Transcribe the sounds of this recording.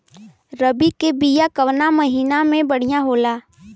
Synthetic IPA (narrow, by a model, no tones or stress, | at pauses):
ɾəbikebijakəʋnamɐɦiːnamẽbəɽ̤ijaɦoːlaː